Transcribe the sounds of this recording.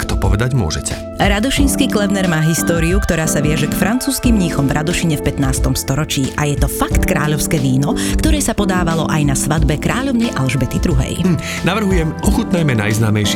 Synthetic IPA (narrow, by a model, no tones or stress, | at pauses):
kt̪ɔpɔʋɛd̪aɟmʊɔ̰ʒɛcʰɛ̰ | ɾad̪ɔʃinskiklɛvnɛɾmaːɦist̪ɔːɾiukt̪ɔɾaːsaʋɪaʒɛkfɾʔant͡suːskimɲixɔmvɾʔad̪ɔʃiɲɛfpɛt̪naːst̪ɔmst̪ɔɾɔt͡ʃiːʔajɛt̪ɔfakt̪kɾa̰ːʎɔʊskɛːʋiːnɔkt̪ɔɾɛːsapɔd̪aːʋalɔʔajnasʋad̪bɛkɾaːʎɔʊnɛjʔalʒbɛt̪id̪ɾuɦɛ̰j | naʋr̩ɦujɛmɔxut̪najmɛna̰jznaːmɛjʃ